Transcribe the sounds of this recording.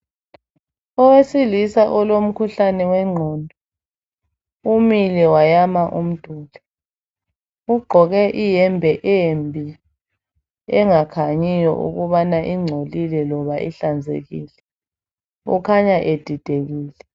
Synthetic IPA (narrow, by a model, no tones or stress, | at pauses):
ɔwesilisaʔɔlom̩kʰuɬanɛwɛŋ͡ǀʱɔːndʱɔ | umilɛwajamaʔum̩d̥ʱuːlɛ | uɡ͡ǃʱɔɣɛʔijɛmbʱɛʔembʱi | ɛŋakʰaɲijɔ̰ʔṵɣuβanaʔiŋ͡ǀʱolilɛlɔβaʔḭɬand͡zʱḛɣiːlɛ | ṵkʰaɲaʔed̥ʱid̥ʱeɣiːlɛ